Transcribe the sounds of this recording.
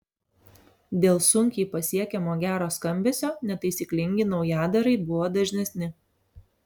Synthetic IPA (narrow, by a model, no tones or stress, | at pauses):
d̪ʲeːlˠsʊŋʲkʲiːpɐsʲiɛkʲɛmoːɡʲæːɾoːskɐmʲbʲɛːsʲoːnʲɛt̪ɐɪsʲiːklʲɪŋʲɡʲɪnɒʊjæːd̪ɐɾɐɪbʊʋoːd̪ɐʒʲnʲɛsʲnʲɪ